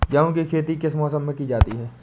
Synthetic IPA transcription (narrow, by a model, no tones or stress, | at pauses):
d͡ʒaːõkikʰeːt̪ikɪsmɔːsəmːẽkid͡ʒaːt̪iɦɛː